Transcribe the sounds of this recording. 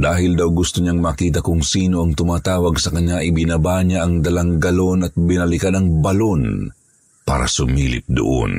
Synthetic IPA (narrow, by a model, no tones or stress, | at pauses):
d̪aːhɪld̪awɡʊst̪oɲaŋmakiːt̪̬ɐkʊŋsiːno̞ʔɐŋt̪ʊmaːt̪aːwɐɡsɐkɐɲɲaʔɪbɪnabaɲaʔɐŋd̪ɐlaŋɡɐlonɐt̪̚bɪnɐlɪkanɐŋbɐlo̞n | pa̰ːɾɐ̰sʊmiːlɪ̰p̚d̪o̰ʔo̰n